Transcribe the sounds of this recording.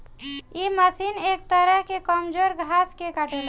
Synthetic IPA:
iməsinek̚t̪əɾəɦkekəmd͡ʒoɾɡʱaskekaʈel

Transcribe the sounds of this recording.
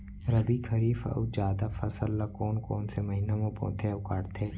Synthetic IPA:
ɾɐbikʰɐɾiːfɐ̰wd͡ʒjaːd̪afɐsəlːakoːnkoːnsemɐɦinamõpɔ̰̃ːt̪ʰeʊkaːɽt̪ʰeː

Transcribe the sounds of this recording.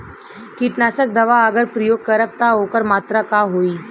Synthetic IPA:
kiʈnaːsək̚d̪ɐʋaɐɡəɾpɾɐjoːɡ̚kəɾəp̚t̪aɦoːkəɾmaːt̪ɾakaːɦoːiː

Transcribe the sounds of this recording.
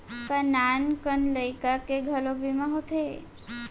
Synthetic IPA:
kənankənləjkakeɡʱəlobʱimãɦot̪ʰḛ

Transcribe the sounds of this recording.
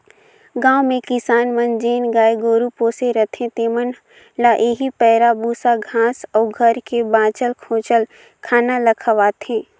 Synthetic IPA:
ɡãːwmẽkɪsaːnmənd͡ʒeːnɡaːeɡoːɾupoːseɾət̪ʰẽt̪eːmən | laʔeːɦipɛːɾabuːsaɡʱãːsɔːɡʱəɾkebãːt͡ʃəlkʰõːt͡ʃəl | kʰaːnaləkʰəʋaːt̪ɦẽː

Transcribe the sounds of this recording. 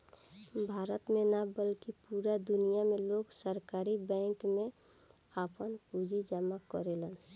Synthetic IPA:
bʱaːɾət̪menabəlkipuɾad̪ʊnijameloːɡsəɾkaːɾibɛ̃ŋkmẽ | apənpud͡ʒʱid͡ʒamakə̰ɾelən

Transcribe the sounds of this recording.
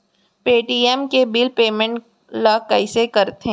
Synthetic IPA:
peːʈiːɛmkebilpeːmə̃ɳʈ | laːkaɪsekɐɾt̪ɦẽ

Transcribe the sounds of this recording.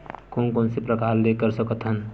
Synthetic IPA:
konkonsepɾəkaɾlekəɾsəkət̪ɦən

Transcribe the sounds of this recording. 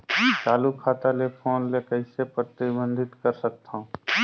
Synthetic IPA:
t͡ʃaːlukʰaːt̪alepʰoːnlekəɪsepɾət̪ibə̃nd̪ʱɪt̪kəɾsək̚t̪ʰã

